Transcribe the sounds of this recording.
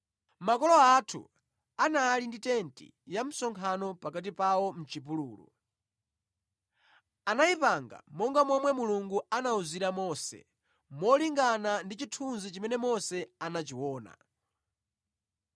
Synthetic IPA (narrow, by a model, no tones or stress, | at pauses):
makɔlɔatʰṵ | anaːlinditɛntḭ | jam̩sɔŋkʰanɔpakat̬ipawɔm̩t͡ʃipulṵːlṵ | anaipaŋɡa̰mɔŋɡamɔmwɛmuluŋɡuanauziɾamɔsɛ̰ | mɔliŋɡanandit͡ʃitʰunzit͡ʃimɛnɛmɔsɛanat͡ʃiwɔːna̰